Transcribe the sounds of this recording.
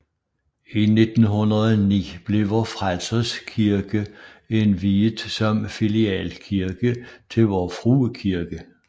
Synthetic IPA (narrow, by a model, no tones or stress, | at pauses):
ine̝d̥n̩ɦunɐðˠnḭːb̥le̝ʋɒfʁalsɐskʰiɐɡ̥əe̝nʋiːdsɒ̽mfiliɛ̰ːlkʰiɐɡ̥ət͡sʰe̝lʋɒːfʁuːkʰiɐɡ̥ə